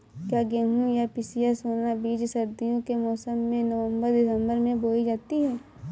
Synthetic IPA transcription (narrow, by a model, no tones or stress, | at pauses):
kjaːɡeːɦũjapɪsijasoːnnabiːd͡ʒsɐɾd̪ijõkemɔːsəmːẽnəʋə̃mbəɾd̪ɪsə̃mbəɾmẽboːid͡ʒaːt̪iɦɛː